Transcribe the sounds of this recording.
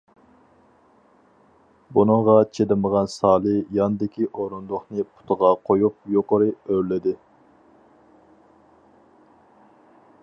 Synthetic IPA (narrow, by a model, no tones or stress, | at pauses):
bunɨŋʁɑt͡ʃʰelɪməʁɑnsɑːlˠɨjɑnd̪ɪkʲiʔoɾund̪oχnɨpʰʊ̥t̪ʰəʁɑqʰojup̚joqəɾɨøɾlɪd̪ɪ